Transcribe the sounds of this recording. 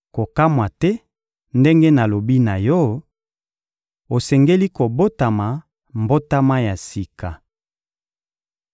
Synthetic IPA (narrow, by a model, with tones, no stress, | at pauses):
ko˨ka˦mwa˨tɛ˦ | nde˦ŋɡe˦na˨lo˨bi˦na˨jɔ˦ | o˨sɛ˨ŋɡe˦li˦ko˨bo˦ta˨ma˨ | mbo˦ta˦ma˦ja˨si˨ka˨